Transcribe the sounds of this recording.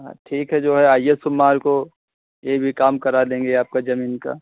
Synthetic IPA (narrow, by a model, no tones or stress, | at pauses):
ã̰ʈʰiːkɦɛd͡ʒoːɦɛaːjesʊmːaːɾko | jebʱikaːmkɐɾalẽːŋɡeaːp̚kad͡ʒɐmiːnka̰ː